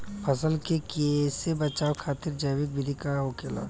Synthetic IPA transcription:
pʰɐsəlkekesebɐt͡ʃaːokʰaːt̪ɪɾd͡ʒəːwɪk̚bʱɪɾikaɦokeːla̰ː

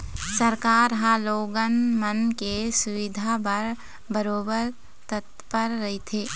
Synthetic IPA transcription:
səɾkaːɾɦãloːɡənmənkesʊʋɪd̪ʱapəɾ | bəɾoːbəɾ | t̪ət̪ | pəɾːɐɦit̪ʰeː

